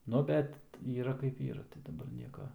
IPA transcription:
ˈnʊ bʲɛt ˈiːrɐ kɐɪp ˈiːrɐ tɐɪ dɐˈbɐr ˈnʲiɛkɐ

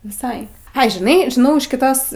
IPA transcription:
ʋʲɪˈsɐɪ ˈɐɪ ʒʲɪˈnɐɪ ʒʲɪˈnɐʊ ɪʃ kʲɪˈtoːs

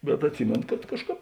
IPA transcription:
bʲɛt ɐtʲˈsʲɪmʲeːnoː kɐt ˈkɑːʃˌkɑːp

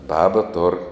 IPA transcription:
ˈbɑːbɐ toːr

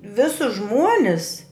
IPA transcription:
ˈʋʲɪsʊs ˈʒmuɔnʲɪs

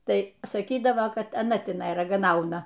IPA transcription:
ˈtɐɪ sɐˈkʲiːdɐʋoː ˈkɐt ɐˈnɐ tʲɪˈnɐɪ rɐɡɐˈnɐʊnɐ

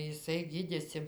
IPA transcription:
jɪˈsɐɪ ˈɡʲiːdʲeːsʲɪ

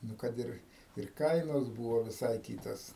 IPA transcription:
ˈnʊ kɐt ˈɪr ɪr ˈkɐɪnoːs ˈbuːʋoː ʋʲɪˈsɐɪ ˈkʲiːtoːs

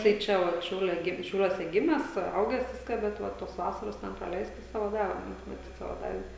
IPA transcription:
tɐɪ ˈt͡ʃʲɛ ʋɐt ˈʃʲɛʊlʲɛ ˈɡʲɪm ʃʲɛʊˈlʲuɔsʲɛ ˈɡʲɪmʲæːs ˈɐʊɡʲæːs ˈʋʲɪskɑː bʲɛt ˈʋɐ ˈtoːs ˈʋɑːsɐroːs ˈtʲɛn prɐˈlʲɛɪstɐs ˈsɑːʋoː ˈdɑːʋʲɛ mɐˈtʲiːt ˈsɑːʋoː ˈdɑːʋʲɛ

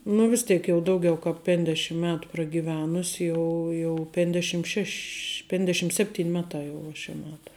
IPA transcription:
nʊ ʋʲɪs ˈtʲeːk jɛʊ ˈdɐʊɡʲɛʊ kɐp pʲɛnʲˈdʲæːʃʲɪm ˈmʲæːtʊ prɐɡʲiːˈʋʲæːnʊs ˈjɛʊ jɛʊ pʲɛnʲˈdʲæːʃʲɪm ˈʃʲɛʃʲ ˈpʲɛnʲdʲɛʃʲɪm ˈsʲæːpʲˌtʲiːn ˈmʲæːˌtɑː jɛʊ uɔ ʃʲɛ ˈmʲæːtɐ

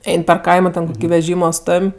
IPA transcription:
ˈɛɪn pʲɛr ˈkɐɪmoː tʲɛn ʋʲɛˈʒʲiːmoː ˈstoːmʲ

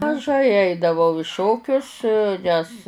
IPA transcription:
mɐˈʒɐɪ ˈɐɪdɐʋɐʊ ɪ ˈʃoːkʲʊs ˈnʲɛs

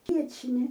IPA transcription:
ˈʋʲiɛt͡ʃʲnʲɪ

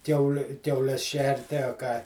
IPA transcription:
ˈkʲɛʊlʲɪ kʲɛʊˈlʲɛs ˈʃʲɛrʲtʲɪ ɐ kɑː

